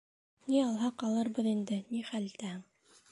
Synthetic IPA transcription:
niɑlˠɦɑqɑlˠɤɾbɤðind̪ɘniχælt̪æhɘŋ

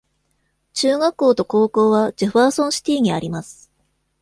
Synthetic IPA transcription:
t͡ɕɨːɡakːo̞ːt̪o̞ko̞ːko̞ːβad͡ʑiɸaːsõ̞ɰ̃ɕi̥t̪ʲiːɲ̟iaɾʲimasɨ̥

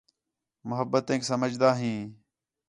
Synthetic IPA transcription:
mʊɦəbːət̪ẽːksəməd͡ʒd̪aːɦĩː

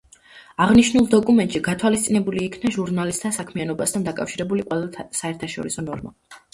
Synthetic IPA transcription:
aʁniʃnulˠd̪ɔkʼumɛnt̪ʼʃiɡat̪ʰwalist̪sʼinɛbuliːkʰnaʒuɾnalist̪ʰːasakʰmianɔbast̪ʰand̪akʼafʃiɾɛbuliqʼwɛlat̪ʰsaɛɾt̪ʰaʃɔ̰ɾisɔnɔɾma̰

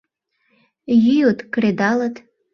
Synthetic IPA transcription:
jyjot̪kɾed̪ɑlət̪

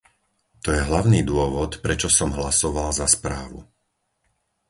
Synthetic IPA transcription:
t̪ɔjɛɦlaʊniːd̪ʊɔʋɔt̪pɾɛt͡ʃɔsɔmɦlasɔʋalzaspɾaːʋṵ

